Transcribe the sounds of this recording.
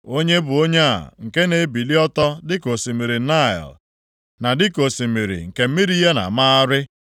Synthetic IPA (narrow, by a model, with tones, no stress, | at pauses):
o˦ɲe˦bʊ˨o˦ɲe˦a̰˨ŋ̩˨ke˦ne˨˦bi˨li˦ɔ˦tɔ˦dɪ˦ko˨si˨mi˨ɾi˨na˦˨ɪ̰˨l | na˨dɪ˦ko˨si˨mi˨ɾḭ˨ŋ̩˨ke˨m̩˦mi˦ɾi˦ja˦na̰˨ma˦a˦ɾɪ˦